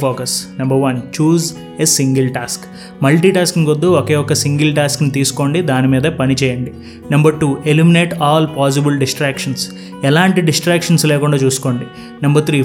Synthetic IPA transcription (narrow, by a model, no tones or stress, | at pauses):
oːkɐsnɐmbɐɾʋɐnt͡ʃuːz | esiŋɡɐlʈaːsk | mɐlʈiʈaːsknikod̪ːuɔkeːjɔkːɐsiŋɡilʈaːsknit̪iːsu̥ko̞ːɳɖid̪aːnimiːd̪ɐpɐnit͡ʃɛːjɐɳɖi | nɐmbɐɾʈuːelimineːʈaːlpaːs̬ibilɖisʈɾaːkʂɐns | ɛlaːɳʈiɖisʈɾaːkʂɐnslɛːkuɳɖaːt͡ʃuːsu̥ko̞ːɳɖi | nɐmbɐɾt̪ʰɾiː